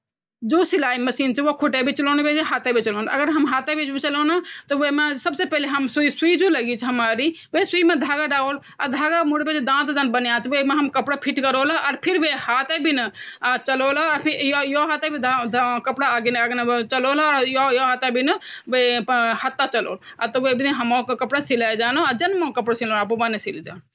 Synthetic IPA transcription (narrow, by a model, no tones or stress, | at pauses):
d͡ʒosilaiməsiːnt͡ʃʰiʋokʰuʈebʱit͡ʃəlonbed͡ʒeɦat̪ebʱit͡ʃəlonʔəɡəɾɦəmɦat̪ebʱit͡ʃʰbit͡ʃəlonat̪ɔʋəmesəbsepɛɦleɦəmsuisuid͡ʒuləɡit͡ʃʰɦəmaɾi | ʋesuimed̪ʱaːɡaɖaol | a̰ɾd̪ʱaɡamuɽbet͡ʃʰd̪ãt̪d͡ʒãnbənjat͡ʃʰʋemeɦəmkəpɽapʰiʈkəɾolaɔːɾpʰiɾbʱehaːt̪ebʱinɐt͡ʃəlolːɾpʰijjoɦat̪ebʱid̪d̪kəpɽaɡenaɡnt͡ʃəlolːɾjojoɦat̪abʱinɐʋehɐt̪ːat͡ʃəlo̰ːl | aɾt̪ɔʋebʱineɦəmɔkkəpɽasilajd͡ʒaːnod͡ʒənmokəpɽasilolapobanesild͡ʒa̰ː